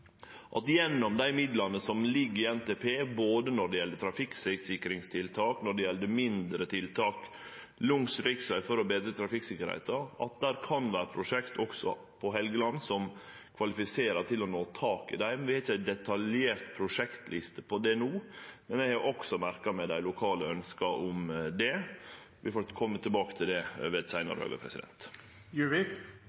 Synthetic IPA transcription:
ʔɑt̪jɛnːɔmd̪æɪmɪd̪lɑnəsɔmlɪɡːɪɛnt̪eːpʰeːboːd̪ənɔɖɛjɛlːət̪ʰɾɑfɪksɪsɪkɾɪŋst̪ʰɪlt̪ʰɑːknɔɖɛjɛlːəmɪnd̪ɾət̪ʰɪlt̪ʰɑːk | lʊŋsɾɪksæɪfɔɾɔbeːd̪ɾət̪ʰɾɑfɪksɪkːəɾhɪt̪ɑɾɑ̰t̪̚d̪æɾkʰɑnʋæːɾəpʰɾʊʂɛkt̪ʰɔksɔ̰ | pʰɔɦɛlɡəlɑnsɔm | kʰʋɑlɪfɪseːɾɑt̪ɪlɔnoːt̪ʰɑːkɪ̰d̪æɪmɛnʋɪhɑɾɪçːəæɪt̪̚d̪ɛt̪ʰɑljeːɾt̪pʰɾʊʂɛkt̪lɪst̪əpʰɔd̪ɛnuːmɛnɛɡhɑɾʔɔksɔmæɾkɑmɛd̪æɪlʊkʰɑːləœnskɑʔʊmd̪ɛ | ʋɪfɔɾkʰɔmːət̪ʰːɪlbɑːkə̥t̪ʰɪld̪ɛʋɛt̪sæɪnɑ̰ɾəhø̰ːɡə̰pʰɾɛ̰sɪd̪ɛ̰nt̪ | jʉɹɪ

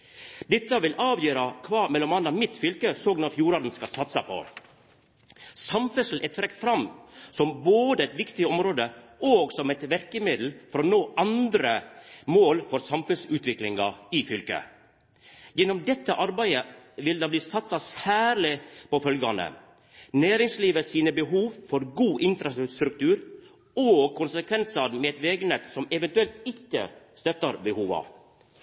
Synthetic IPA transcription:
d̪ɛt̪ːɑʋɪlʔɑːʋjøːɾɑkʰʋɑːmɛlːɔmɑnːɑmɪt̪fʏlkəsoːɡnɔɾfjuːɾɑːd̪n̩skɑsɑt̪sɑpʰɔ̰ | sɑmfœsl̩ʔɛt̪ʰɾɛkt̪fɾɑmsɔmboːd̪əæɪt̪ʋɪkt̪ɪɔmɾoːd̪əʔoːɡsɔmɛɪt̪ʋæɾkəmɪd̪l̩fɔɾɔnoːʔɑnd̪ɾəmoːlfɔɾsɑmfʉnsʉːt̪ʋɪklɪŋɑɪfʏlkə̰ | jɛnɔmd̪ɛt̪ːəʔɑɾbæɪəʋɪld̪ɑːbliːsɑt̪sɑsæːɾlɪpɔfœlɡɑnə̰ | næːɾɪŋsliːʋəsiːnəbəɦuːʋfɔɾɡuːʔɪnfɾɑsst̪ɾʉk̚t̪ʉːɾ | oːkʰʊnsəkʰʋɛnsɑɾmɛɛt̪ʋeːɡnɛt̪sɔmɛʋɛnt̪ʉɛlt̪ɪkːə̰st̪œt̪ːɑɾbəhuːʋɑ̰

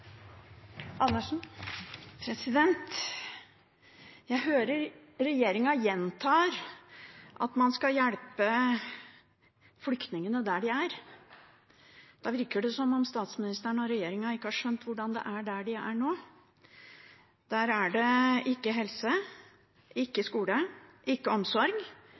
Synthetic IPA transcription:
ʔɑnːəʂ | pʰɾɛsɪd̪ɛnt̪ | jæɪɦøːɾəɾ | ɾɛjeːɾɪŋɑjɛnt̪ʰɑːɾ | ʔɑ̰t̪mɑnskɑjæɽpə | flʏkt̪nɪŋənəd̪æɖɪæɾ | d̪̥ɑːʋɪɾkəɖɛsɔmːɔmst̪ɑːt̪smɪnɪst̪əɳɔɾɛjeːɾɪŋɑɪkːəhɑːʂœnt̪ʰʋʊɖɑnd̪ɛ̰ʔæɖæɖɪæɳoː | d̪̥æːɾæɖɛʔɪkːəɦɛlsə | ɪkːəskuːləʔɪkːəɔmsɔɾɡ

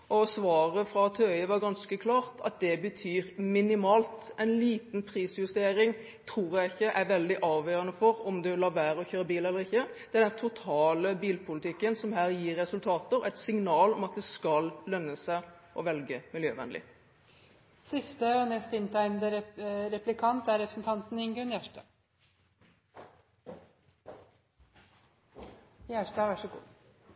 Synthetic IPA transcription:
ɔsʋɑːʁəfɾɑt̪ʰøʏəʋɑɾɡɑnskəkʰlɑːʁt̪ʰɑ̰t̪̚d̪ɛbət̪ʰyːɾmɪnɪmɑːlt̪ɛɪnliːt̪npʰʁiːsjʉst̪eːɾɪŋ | t̪ʰɾuːɾjæɪɪçːəʔɛɾʋɛld̪ɪʔɑːʋjøːʁənəfɔɾɔmd̪ɛlɑːʋæːɾɔçøːɾəbiːlɛlːəɾɪçːəd̪̥ɛæd̪ɛnt̪ʰʊt̪ʰɑːləbiːlpʰʊlɪt̪ʰɪkːənsɔmɦæːɾjiːɾːɛsʉlt̪ʰɑːt̪əɾɛt̪sɪŋnɑːlɔmɑt̪̚d̪ɛskɑllœnːəsæʔɔʋɛlɡəmɪljøːʋɛ̰nlɪ̰ | sɪst̪əɔnɛst̪ɪnt̪ʰæɪnd̪əɾɛplɪkʰɑnt̪æɾɛpɾəsn̩t̪ʰɑnt̪n̩ɪŋɡʉnjæʂʈɑ | jæʂʈɑʋæʂəɡṵː

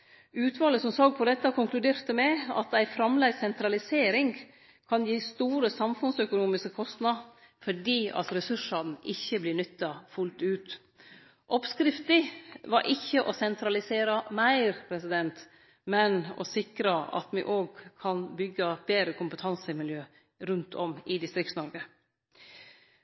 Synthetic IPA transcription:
ʉːt̪ʋɑːləsɔmsɑːɡ̚pʰɔd̪ɛt̪ːəkʰʊŋklʉd̪eːɾt̪əmɛɑ̰t̪æɪfɾɑmlæɪsɛnt̪ɾɑlɪseːɾɪŋ | kʰɑnjiːst̪uːɾəsɑmfʉnsœkʊnuːmɪskəkʰɔst̪nɑ | fɔɖiːɑ̰t̪ɾɛsʉʂɑd̪n̩ɪçːəblɪnʏt̪ːɑfʉlt̪ʉːt̪ | ʔɔpskɾɪft̪ɪʋɑɾʔɪçːəʔɔsɛnt̪ʰɾɑlɪseːɾɑmæɪɾpʰɾɛsɪd̪ɛnt̪ | mɛnɔ̰sɪkɾəɑ̰t̪mɪ̰ʔoːɡ̚kʰɑnbʏɡːəb̥eːɾəkʊmpət̪ʰɑnsəɪmɪljøː | ɾʉnt̪ʰɔmɪd̪ɪst̪ɾɪktsnɔɾɡə

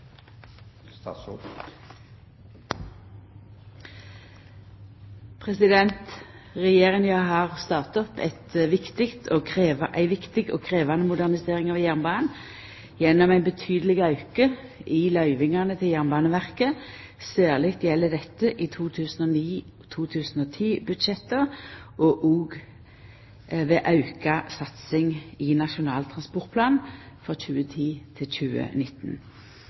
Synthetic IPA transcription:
pʰʁɛsɪd̪ɛnt̪ | ʁɛjeːʁɪŋjɑɦɑːʁst̪ɑːʁt̪ɔpʰɛ̰t̪ʋɪkt̪ɪkt̪ʰoːeʔæɪʋɪkt̪ɪɡo̰ːkʰʁeːʋɑnəmʊd̪æʁnɪseːʁɪŋɑʋjæʁnbɑːnn̩ | jɛnːɔmæɪnbət̪ʰyːd̪əlɪɡɑʉkəʔɪlɑʏʋɪŋɑnət̪ʰɪljæʁnbɑːnəʋæʁkə | sæːʁlɪkt̪jɛlːəd̪ɛt̪ːəʔɪt̪ʰuːt̪ʰʉːsn̩ɔniː | t̪ʰuːt̪ʰʉːsn̩ɔːt̪ʰiːbʉd̪ʃɛt̪ːəʁʔɔʔoːɡ | ʋeːʔɑʉkɑsɑt̪sɪŋɪnɑʃʊnɑːlt̪ʰʁɑnspɔʁt̪̚pʰlɑːnfʁɔc͡çʉːət̪ʰiːt̪ʰɪlçʉːə̰nɪt̪ːn

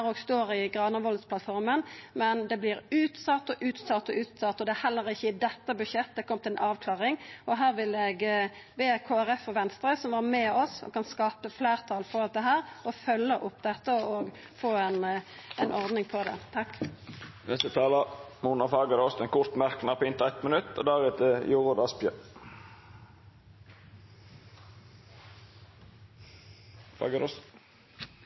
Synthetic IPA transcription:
ʁoːɡst̪oːʁɪɡʁɑːnəʋɔləspʰlɑt̪fɔʁmənmɛnd̪ɛblɪʁʉːt̪sɑt̪ːɔʔʉːt̪sɑt̪ːɔʔʉːt̪sɑt̪ːɔd̪ɛæːhɛlːəʁɪçːəɪd̪ɛt̪ːəbʉʃjɛt̪ːd̪ɛkʰɔmt̪ɪlɛnʔɑːʋkʰlɑːʁɪŋɔɦæːʁʋɪlɛɡ | ʋeːkʰoːæʁɛfɔʋɛnst̪ʁəsɔmʋɑʁmɛːɔsɔ̰kɑnskɑːpəfleːʁt̪ʰɑːlfɔʁɔlt̪̚d̪ɛɦæːʁɔfœlːəʔʊpːd̪ɛt̪ːəɔoːɡ | foːɛnɛnʔɔʁd̪nɪŋpʰɔd̪ɛ̰t̪ʰɑkː | nɛst̪ət̪ʰɑːlɑmuːnɑfɑːɡəɾɔst̪ɛnkʰʊɾt̪mæʁknɑpʰɔɪnt̪ɛt̪mənʉt̪ːo̰ːd̪æːʁɛt̪ʰəjuːʁʊd̪ɑspjə | fɑ̰ɡəɾɔs

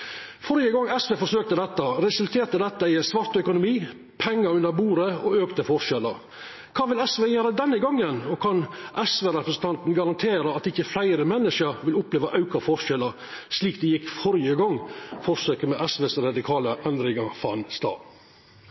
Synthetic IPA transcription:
fɔɾjəɡɔŋɛsʋeːfɔʂøːk̚t̪əd̪ɛt̪ːəɾɛsʉlt̪ʰeːɾt̪əd̪ɛt̪ːəæɪsʋɑɾt̪œkʊnʊmiː | pʰɛŋːəɾʉnːəɾbuːɾəɔøːkt̪əfɔɾʃɛləɾ | kʰɑːʋɪlɛsʋeːjøːɾəd̪ɛnːəɡɑŋːənɔkʰɑnʔɛsʋeːɾɛpɾəsən̩t̪ɑnt̪n̩ɡɑɾɑnt̪ʰeːɾəɑt̪ɪçəflæɪɾəmɛnːɪʂəɾʋɪlʊpleːʋəʔɑʉkɑfɔɾʂɛləɾ | ʂliːk̚d̪ɛjɪkfɔɾɪjəɡɔŋːfɔɾsøːkəmɛʔæsʋeːsɾɑd̪ɪkʰɑːləʔɛnd̪ɾɪŋɑfɑ̰nst̪ɑ̰ː

